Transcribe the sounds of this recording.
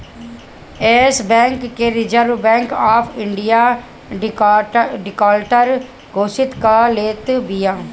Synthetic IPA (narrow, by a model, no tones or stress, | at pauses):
ɛːsbɛ̃ːŋkːeːɾɪd͡ʒəɾʋbɛ̃ːŋkaːpʰɪɳɖɪjaː | ɖɪkaːlʈəɾ | ɡoːsɪt̪kəleːt̪bijãː